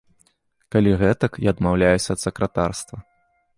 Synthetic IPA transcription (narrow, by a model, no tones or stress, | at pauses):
kalʲiɣɛt̪ɐkjaɐd̪mawlʲajusʲɐːt̪sɐkɾɐt̪arst̪vɐ